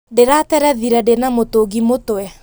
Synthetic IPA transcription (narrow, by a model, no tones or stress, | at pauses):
deɾatɛɾɛðiɾɛdenamotoɡimotwɛ